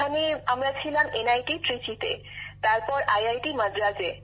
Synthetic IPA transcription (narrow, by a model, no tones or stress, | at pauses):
amiamɹat͡ɕʰilamenajʈiʈɹit͡ɕit̪ḛ | t̪aɹpɔɹajajʈimad͡ʑɾad͡ʑe